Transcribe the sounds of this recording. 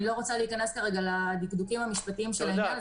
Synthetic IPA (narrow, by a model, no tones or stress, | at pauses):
ilo̞ʁot͡saliikane̞skaʁeɡalad̪ikd̪ukimhamiʃpat̪iimʃelae